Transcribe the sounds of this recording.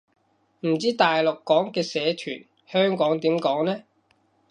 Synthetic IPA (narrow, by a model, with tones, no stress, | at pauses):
m̩˨˩t͡siː˥t̪aː˨jlʊ˨kːɔː˨˥ŋkɛː˧sɛː˨˧t̪ʰy̰ː˨˩n | hœː˥ŋkɔː˨˥ŋt̪iː˨˥mkɔː˨˥ŋnɛː˥